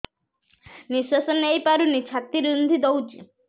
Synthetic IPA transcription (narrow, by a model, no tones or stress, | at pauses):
niswasɔnejpaɾunit͡ʃʰat̪ːiɾind̪ʱid̪owd͡ʒi